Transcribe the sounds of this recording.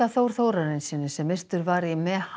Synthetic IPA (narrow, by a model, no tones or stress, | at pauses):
aθowɾ̥θowɾaɾɪnsɪnːʏsɛmɪst̪ʏɾvaɾimɛh